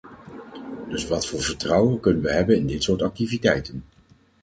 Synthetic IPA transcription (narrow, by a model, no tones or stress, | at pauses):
d̥ɵsʋɑtfʊːɹvəɹtrɑwəkɵnənʋəɦɛbənɪndɪtsʊːɹtɑk̚tivitɛjtən